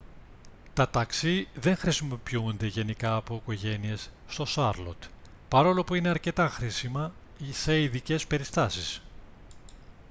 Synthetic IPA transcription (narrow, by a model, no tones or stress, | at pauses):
t̪ɐt̪ɐksiðe̞ŋxɾisimopiund̪eʝe̞nikɐːpo̞iko̞ʝe̞nie̞sːt̪o̞sɐɾlo̞̰t̪ | pɐɾo̞lo̞puine̞ɐɾce̞t̪ɐxɾisimɐ | ise̞iðice̞spe̞ɾist̪ɐsis